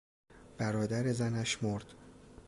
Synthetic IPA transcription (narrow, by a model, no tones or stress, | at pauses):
b̥æɾɒːd̪æɾe̞zænæʃmoɾd̪̥